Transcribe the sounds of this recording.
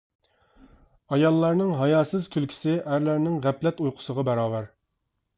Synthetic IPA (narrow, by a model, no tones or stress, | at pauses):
ɑjɑlˠːɑɾnɨŋɦɑjɑːsɨz̥kʲʰylkʲʰi̥sɪʔæɾlæɾnɪŋʁæplɛt̪ujqʰʊ̥səʁɑbɛɾɑːwæɾ